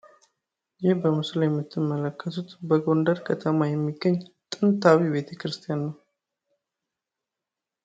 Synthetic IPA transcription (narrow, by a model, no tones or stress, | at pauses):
jɪhbəmɨsljɛmːɨt̪ʰːɨmːələkʰːət̪ʰut̪bəɡo̞nd̪əɾkʰət̪ʰəmajɛmːiɡːəɲːt̪ʼɨnt̪ʰawibe̞t̪ʰəkɾɨst̪ʰijanːəw